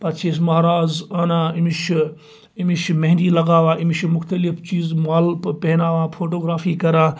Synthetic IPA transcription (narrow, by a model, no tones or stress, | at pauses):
pɐt͡ʃʰes̬mɐːɾaːzaːnãːɪmiʃ | ɪmiʃmɐɦɪ̃nɖilɐɡaːʋãːʔɪmiʃmʊxt̪ɐlɪft͡ʃiːzmaːlpɐɦnaːʋãːfʰoːʈoːɡɾaːfikɐɾãː